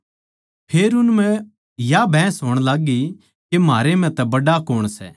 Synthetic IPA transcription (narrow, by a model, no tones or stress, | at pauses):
pʰeːɾʊnmɛ̃ | jabʱɛ̃ːsɦoːɽ̃laːɡi | kemaːɾemɛ̃t̪ɛbɐɖakoːɽ̃sɛ̰